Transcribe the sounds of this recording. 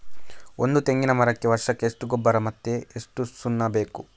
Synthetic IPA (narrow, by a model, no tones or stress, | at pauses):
ond̪ut̪e̞ŋɡinɐmɐɾɐkːeʋɐɾʂɐkːeːʂʈuɡɔbːɐɾɐmɐt̪ːeeʂʈusunːɐbe̞ːku